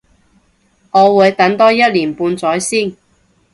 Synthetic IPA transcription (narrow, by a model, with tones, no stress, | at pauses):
ŋɔː˨˧wuː˨˧˥jt̪ɐ˨˥ŋt̪ɔː˥jɐ˥t̚liː˨˩npuː˧nt͡sɔː˨˥jsiː˥˩n